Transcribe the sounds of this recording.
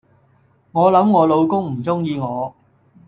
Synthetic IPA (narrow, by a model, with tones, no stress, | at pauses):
ŋɔː˨˧lɐ˨˥mŋɔː˨˧lo˨˧wkʊ˥ŋm̩˨˩t͡sʊ˥ŋjiː˧ŋɔː˨˧